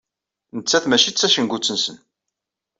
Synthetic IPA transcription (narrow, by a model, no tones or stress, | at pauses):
nət͡sːæθmæt͡ʃit͡sːæʃənɡʷut͡sːənsən